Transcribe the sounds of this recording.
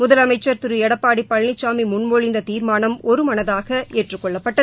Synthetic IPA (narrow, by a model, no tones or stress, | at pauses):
mʊðɐlɐmɐɪt͡ʃːɐɾt̪ɪɾɯɛɽɐpːaːɽipːɐɻnɪt͡ʃːaːmimʊɳmoɻɪnd̪ɐt̪iːɾmaːnɐmɔɾɯmɐnɐðaːɣɐʔeːʈrɯkːɔɭːɐpːɐʈːɐ